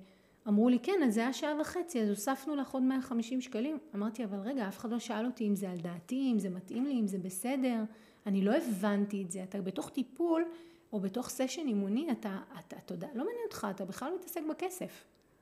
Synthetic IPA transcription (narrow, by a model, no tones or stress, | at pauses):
amʁulikenazajaʃaavaχe̞t͡siazosafnulaχodmeaχamiʃimʃkalimamaʁt̪iavalʁe̞ɡaafe̥χadlo̞ʃaalotiːmzeald̪aːtiimzematʔimliːmzebese̞de̞ʁ | anilo̞e̞vantietzeatabe̞to̞χtipulo̞be̞to̞χseʃe̞nimuniataːtatodalo̞maniot̪χaːtabeχlalomitase̞kbake̞se̞f